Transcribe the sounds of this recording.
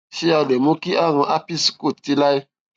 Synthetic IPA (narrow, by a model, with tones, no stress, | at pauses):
ʃi˦ja˨de˨mu˦ki˦ʔa˦ŋɔ̃˨ʔa˦pi˦si̥˦ku˦˨ti˦la˦i˦